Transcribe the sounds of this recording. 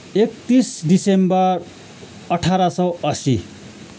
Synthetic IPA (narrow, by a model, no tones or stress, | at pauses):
ek̚t̪isɖisembʌr | ʌʈʰaɾasʌwʌsi